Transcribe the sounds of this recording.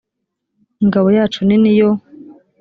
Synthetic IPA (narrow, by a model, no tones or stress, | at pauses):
iŋɡaβojaːt͡ʃuninijo